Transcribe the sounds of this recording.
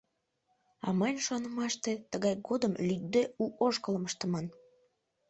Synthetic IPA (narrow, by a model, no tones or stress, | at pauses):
ɑ̰mɑnʲʃonəmɑʃt̪et̪əɣɑjɡod̪əmlʲyt̪̚d̪euʔoʃkələməʃt̪ə̆mɑn